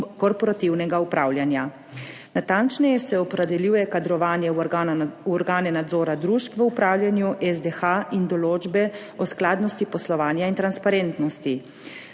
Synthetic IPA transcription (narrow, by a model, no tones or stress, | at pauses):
kɔɾpɔɾat̪iwnɛɡaupɾaːwljanja | nat̪ant͡ʃnɛjɛsɛɔpɾɛd̪ɛljuːjɛkad̪ɾɔʋaːnjɛ | ɔɾɡaːnɛnad̪zɔːɾad̪ɾuʃpʋəupɾaːwljanjuʔɛzd̪ɛxaind̪ɔloːd͡ʒbɛ | ɔsklaːd̪nɔst̪ipɔslɔʋaːnjaint̪ɾanspaɾent̪nɔst̪i